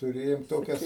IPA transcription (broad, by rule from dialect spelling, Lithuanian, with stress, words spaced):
tʊˈrʲeːjoːm ˈtoːkʲɛs